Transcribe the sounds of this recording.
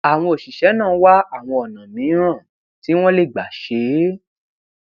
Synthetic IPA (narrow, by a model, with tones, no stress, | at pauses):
a˨w̃ɔ̃˧o˨ʃi˨ʃɛ˨˦nãː˦˨˧wa˦a˦˨w̃ɔ̃˧ɔ˨nã˨mĩ˨˦ɾã˦˨ | ti˨˦w̃ɔ̃˦le˦˨ɡ͡ba˨ʃe˨˦